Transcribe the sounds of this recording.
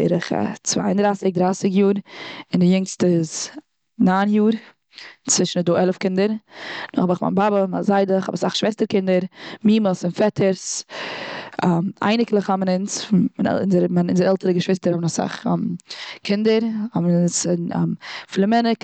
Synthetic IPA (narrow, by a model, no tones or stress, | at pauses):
ɪ̰ɾɪχa̰t͡sva̰ɪndɾaːsɪk̚dɾaɪsɪkjuːɾɪndɪjʊŋstəɪz | naːnjuːɾ | t͡svɪʃn̩ədoːɛlˠəfkɪndəɾnʊχɔbɪχma̰nbabəma̰zaɪdəχhɔ̰basaχʃvɛstəɾkɪndəɾmiːməsɪnfɛtʰəɾs | ama̰ɪnɪklˠəχhɔmənɪnsmanɛ̰ɪ̰nzəɾmanɪnzəɾɛlˠtəɾəɡəʃv̥ɪstəɾhɔbənasa̰χmkʰɪndəɾhɔmənɪns | flˠəmɛnək